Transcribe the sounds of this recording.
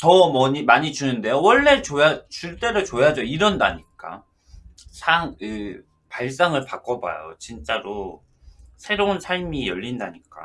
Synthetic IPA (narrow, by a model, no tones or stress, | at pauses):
tʌmʌɲimaɲid͡ʑunɯnde̞jowʌɭːe̞t͡ɕojat͡ɕuɭt͈e̞ɾot͡ɕojad͡ʑʌiɾʌndaɲik͈a̰ | sʰaŋɯ | paɭs̬͈aŋɯɭpak͈ʌba̰jo̰t͡ɕint͡ɕ͈aɾo | sʰe̞ɾounsʰaɭmijʌʎːindaɲik͈a̰